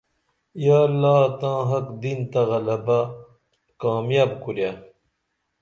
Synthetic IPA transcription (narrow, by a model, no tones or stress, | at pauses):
jaːlːaːt̪ãːɦɐkd̪int̪ɐɣɐlɐba | kaːmjaːbkuɾja